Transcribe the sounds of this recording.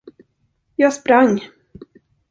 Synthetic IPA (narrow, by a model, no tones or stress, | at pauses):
jɑːɡspɾaŋː